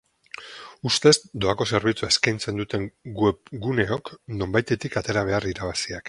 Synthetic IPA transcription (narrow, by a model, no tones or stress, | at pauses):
ust̪e̞zd̪o̞ako̞se̞ɾβ̞it͡suaeskajnt͡se̞nd̪ut̪e̞ŋɡwepɡune̞o̞kno̞mbajt̪e̞t̪ikat̪e̞ɾaβ̞e̞ariɾaβ̞asiak